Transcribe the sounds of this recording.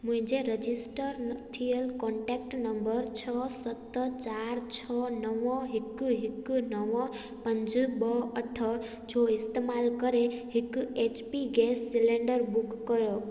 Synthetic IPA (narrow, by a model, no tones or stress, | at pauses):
mũĩd͡ʒeɾəd͡ʒisʈəɾt̪ʰijelkɔɳʈek̚ʈnəmbəɾt͡ʃʰɔsət̪ːt͡ʃaɾt͡ʃʰɔnəʋɔ̃ɦikːuɦikːunəʋɔ̃ | pənd͡ʒəbʌəʈʰə | d͡ʒoist̪emalkəɾeɦikuet͡ʃpiɡesːileɳɖəɾbukːəɾo